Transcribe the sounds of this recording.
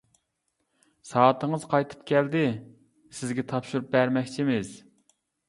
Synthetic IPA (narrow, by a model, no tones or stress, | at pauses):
sɑːt̪ʰəŋəz̥qʰɑjt̪ʰɨ̥pkʲʰɛld̪ɪ | sɪzɡʲɛt̪ʰɑpʃuɾup̚bæɾmɛkʲt͡ʃʰimɪz̥